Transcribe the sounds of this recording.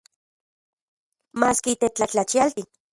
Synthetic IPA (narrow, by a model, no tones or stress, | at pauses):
maːskiːt̪et͡ɬat͡ɬat͡ʃialt̪i